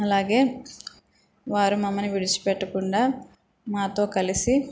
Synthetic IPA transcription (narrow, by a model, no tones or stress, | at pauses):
ɐlaːɡe̞ː | ʋaːɾumɐmːɐniʋiɽit͡ʃu̥pɛʈːɐkuɳɖaː | maːt̪o̞ːkɐlisi